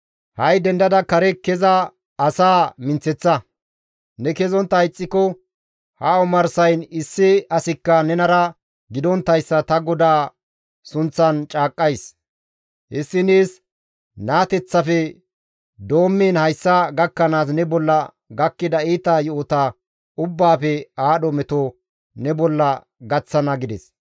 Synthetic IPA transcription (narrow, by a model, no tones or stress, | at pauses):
hɐjd̪ɛnd̪ɐd̪ɐkɐɾɛkɛzɐː | saːmɪnt͡sɛt͡sːɐ | nɛkɛzɔnt̪ːɐɐjɪt͡sʼːɪkɔ | hɐɔmɐɾsɐjnɪsːɪɐsɪkːɐnɛnɐɾɐ | ɡɪd̪ɔnt̪ːɐjsːɐt̪ɐɡɔd̪aː | sʊnt͡sːɐnt͡ʃʼaːkʼːɐjs | hɪsːɪniːs | naːt̪ɛt͡sːɐfɛ | d̪o̞ːmːeːnhɐjsːɐɡɐkːɐnaːs̬nɛbɔlːɐ | ɡɐkːɪd̪ɐiːt̪ajɔɔt̪a | ʊbːaːfɛaːɗɔmɛt̪ɔ | nɛbɔlːɐ | ɡɐt͡sːɐnɐɡɪd̪ɛs